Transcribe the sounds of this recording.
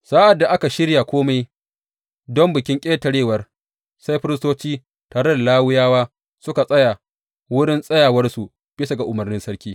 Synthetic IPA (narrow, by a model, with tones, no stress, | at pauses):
saː˦ʔa˨dːa˨ʔa˦ka˨ʃɪ˦ɽja˨kʷoː˦ma˦j | dɔ˦mbɪ˨kʲɪ˦ŋkʲʼeː˦tɐ˨ɽeː˦wɐ˨r | sa˦jɸɪ˦ɾɪ˦stoː˦t͡ʃiː˦ | taː˨ɽe˦da˨laː˦wʊ˦jaː˦waː˦ | sʊ˦ka˨sʼɐ˦ja˨ | wʊ˦ɽɪ˦nsʼɐ˦jaː˨wɐ˦rsu˨ | b̥ɪ˦sa˨ɡa˨ʔʊ˨mɐ˨rnɪ˦nsɐ˦ɽkʲiː˦